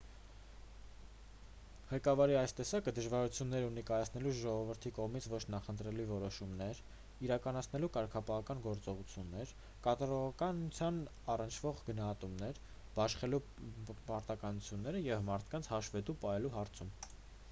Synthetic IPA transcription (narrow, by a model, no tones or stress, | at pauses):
ʁɛkɑvɑɾiɑjst̪ɛsɑkəd̪əʒvɑɾut͡sʰjunːɛɾunikɑjɑt͡sʰn̪ɛluʒɔʁɔvəɾt̪ʰikɔʁmit͡sʰvɔt͡ʃʰnɑχənt̪ɾɛluvɔɾɔʃumnɛɾ | iɾɑkɑnɑt͡sʰnɛlukɑɾkʰɑpɑɦɑkɑnɡɔɾt͡sɔʁut͡sʰjunːɛɾ | kɑt̪ɑɾɔʁɑkɑnut͡sʰjɑn | ɑrənt͡ʃʰv̥ɔʁɡənɑɦɑt̪umnɛɾ | b̥ɑʃχɛlu | pɑɾt̪ɑkɑnut͡sʰjunːɛɾəjɛvmɑɾt̪ʰkɑnt͡sʰhɑʃvɛt̪upɑɦɛluɦɑɾt͡sʰum